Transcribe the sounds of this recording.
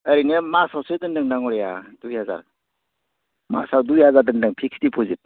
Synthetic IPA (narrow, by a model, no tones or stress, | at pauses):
əɾinemasawsɯdɯndɯŋnaŋɔɾeja̰dujhaza̰ɾ | ma̰sawdujɦazaɾdɯndɯŋpʰikstipʰɔzit̚